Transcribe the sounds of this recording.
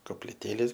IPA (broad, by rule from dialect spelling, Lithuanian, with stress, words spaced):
koːpʲlʲɪˈtʲeːlʲeːs